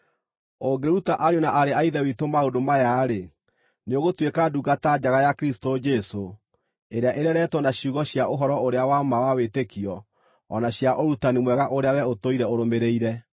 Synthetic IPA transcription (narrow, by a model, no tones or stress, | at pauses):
oɡeɾutaʔaɾeonaʔaɾeaiðɛwitomaodomajaɾe | neoɣotwekaduɡatad͡ʑaɣajakɾistod͡ʒɛso | eɾeaʔeɾeaɾɛtwɔnaɕuɣɔɕjaʔoɦɔɾɔoɾeawamawawetekiɔ | ɔnaɕjaʔoɾutanimwɛɣaʔoɾeawɛotoiɾɛoɾomeɾeiɾɛ